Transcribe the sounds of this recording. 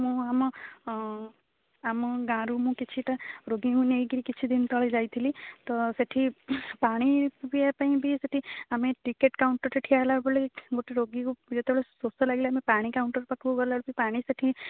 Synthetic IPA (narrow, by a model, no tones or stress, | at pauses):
mũamɔ | amɔɡãɾumũkit͡ʃʰiʈaɾoɡikũnejɡiɾikit͡ʃʰid̪int̪ɔɭed͡ʒajt̪ʰilit̪ɔseʈʰipaɽ̃ipupiapaĩbʱiseʈʰiameʈikeʈkauɳʈəɾt͡ʃeʈʰiaɦlaɾbɔleɡoʈeɾoɡikud͡ʒet̪ebeɭesosɔlaɡeleamepaɽ̃ikauɳʈəɾpakʰbokɔɾlaɽupaĩpaɽ̃iseʈʰi